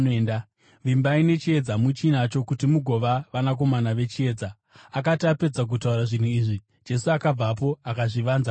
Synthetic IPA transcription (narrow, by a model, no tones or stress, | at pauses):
nda | ʋimbaine̞t͡ʃie̞d͡zamut͡ʃinat͡ʃo̞kutimuɡʱo̞ʋaʋanak̬o̞manaʋe̞t͡ʃie̞ːd͡za | ak̬atiape̞d͡zak̬utauɾaʐin̤uiːʐi̥ | d͡ʒe̞suakab͡vapo̞akaʐiʋanza